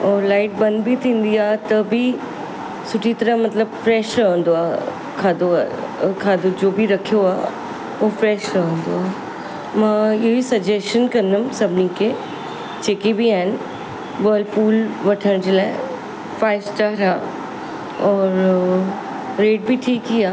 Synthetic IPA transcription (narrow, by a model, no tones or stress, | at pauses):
ɔːɾlaːɪʈ̚bɐ̃nd̪bʱit̪ʰĩːn̆d̪iaːɦet̪ɐbi | sʊʈʰit̪ɐɾə̃mɐt̪ləbfɾɛːʃɾɐɦə̃nd̪oaː | kʰaːd̪okʰaːd̪od͡ʑoːbʱiɾɐkʰijoaː | ofɾɛːʃɾɐɦə̃nd̪oaːɦ | mãɪɦoisɐd͡ʑesʃənkɐ̃nəmsɐbʱɪnikʰe | t͡ɕeːkebʱiaːɦɪn | ʋəːlpuːlʋɐʈʰəɽ̃d͡ʑeːlaːɪ | faːɪsʈaɾaː | ɔːɾ | ɾeːʈ̚biʈʰiːkɦiaː